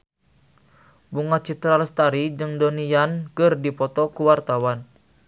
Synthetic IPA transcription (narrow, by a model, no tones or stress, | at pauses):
buŋat͡ʃit̪ɾaləst̪aɾid͡ʒɨŋdɔnijankərdipɔt̪ɔkuwart̪awan